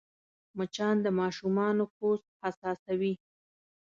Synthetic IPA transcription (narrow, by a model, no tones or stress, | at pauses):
mət͡ʃɑnd̪əmɑʃumɑnoxost̪̚asɑsawi